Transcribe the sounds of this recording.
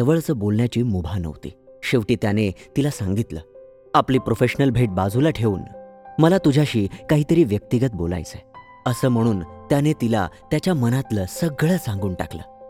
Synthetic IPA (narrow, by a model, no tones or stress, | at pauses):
səʋəɭt͡səːbolɳjat͡ɕiːmubʱanə̰ʋt̪ḭːɕeʋʈiːt̪janet̪ilasãŋɡit̪lə̰ː | apliːpɾofeɕnəlbʱeʈ̚bad͡zʱulaʈʰeuːnməlat̪ud͡ʑʱaɕiːkaɦiːt̪əɾiːʋjək̚t̪iɡət̪̚bola̰jt͡se | əsəːm̤əɽ̃uːnt̪janet̪ila̰t̪jat͡ɕjamənat̪ləsəɡɭəsãŋɡuːnʈa̰klə̰ː